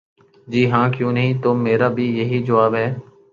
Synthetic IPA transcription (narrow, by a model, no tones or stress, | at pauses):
d͡ʒiːɦãːkjõːnəɦĩːt̪oːmeːɾaːbʱiːjəɦiːd͡ʒəʋaːbɦɛː